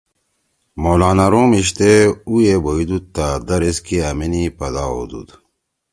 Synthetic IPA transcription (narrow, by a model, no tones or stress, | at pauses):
moːlaːnaɾõːmiɕt̪eujeboid̪ut̪ːad̪ɐɾeskiɐminipɐd̪ao̰ːd̪ṵd̪